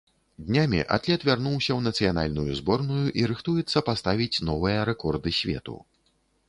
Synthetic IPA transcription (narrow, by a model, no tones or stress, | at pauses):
d̪ʲnʲamʲḭʔa̰t̪lʲɛt̪vʲarnuwsʲɐwnɐt̪sɨjan̪a̰lʲnujuzbɔrnujuʔiɾɨxt̪ujɛt̪sːɐpast̪avʲit͡sʲn̪ɔvɨjɐɾɛkɔrd̪ɨsʲvʲɛ̰t̪ṵ